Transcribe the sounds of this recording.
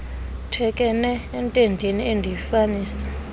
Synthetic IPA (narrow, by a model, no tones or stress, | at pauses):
tʰɛkʼɛnɛːntʼendʱiniendʱijifaniːsḁ